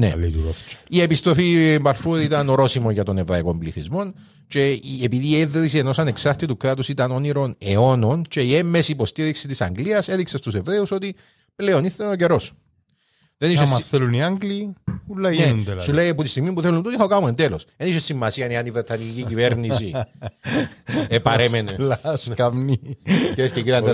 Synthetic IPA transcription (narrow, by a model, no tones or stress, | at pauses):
nḛlet̪uɾot͡ʃiepist̪ɾo̞fimbɐlfuðit̪ɐnoɾo̞simoʝɐt̪o̞nevɾɐiko̞mbliθizmo̞n | t͡ʃe̞iepiðiːeðɾis̬ieno̞sɐne̞ksɐɾt̪it̪ukɾɐt̪usit̪ɐno̞niɾo̞ne̞o̞no̞nt͡ʃe̞iemːesiːpo̞st̪iɾiksit̪isɐ̰ŋɡliɐse̞ðiksest̪use̞vɾe̞uso̞t̪i | ple̞o̞niθenoce̞ɾo̞s | ðeniʃesθeluniaŋɡliulːɐeund̪elsuleiɐput̪ist̪iɣmipuθelunt̪ut̪ixokamuend̪eloseniʃesːimːɐsiɐniɐnivɾet̪ʰːɐniciciveɾnisi | epɐɾemenelskɐmniiɾescekit̪ɐne